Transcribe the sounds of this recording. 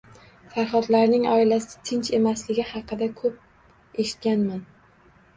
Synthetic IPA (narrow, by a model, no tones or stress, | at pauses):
faɾχɒt̪laɾnɪŋɒɪlasɪ̥t̪ʰɪnt͡ʃe̞maslɪɡʲɪhɑqɨd̪akʰɵp̚ | e̞ʃɪ̥t̪̚kʲanman